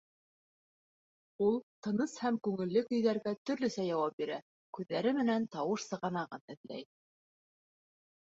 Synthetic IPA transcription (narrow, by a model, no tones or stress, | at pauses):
ulˠt̪ɤ̆nɤshæmkʉŋɘ̆lːɘkɵ̆jðæɾɡæt̪ɵ̆ɾlɵ̆sæjɑwɑp̚biɾæ | kʉðːæɾɘmɘ̆nænt̪ɑwɤʃsɤ̆ʁɑnɑʁɤnɘ̆ðlæ̰j